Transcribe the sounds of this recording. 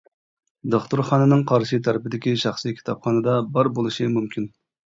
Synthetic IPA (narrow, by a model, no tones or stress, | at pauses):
d̪oχt̪ʰuɾχɑnɨnɨŋqʰɑɾʃit̪ʰæɾɪpɪd̪ɪkʲiʃɑχsikʲʰt̪ʰɑpχɑnɨd̪ɑbɑɾbolˠɨʃɨmumkʲʰin